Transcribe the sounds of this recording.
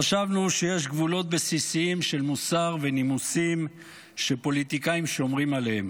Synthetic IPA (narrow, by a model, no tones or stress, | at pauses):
aʃavnuʃe̞je̞ʃɡvulo̞t̪̚besisiimʃe̞lmusaʁve̞nimusim | ʃe̞po̞lit̪ikaimʃomʁimalehem